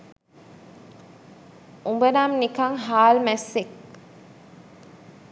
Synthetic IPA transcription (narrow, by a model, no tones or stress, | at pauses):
umbənamnikaŋɦaːlmæsːek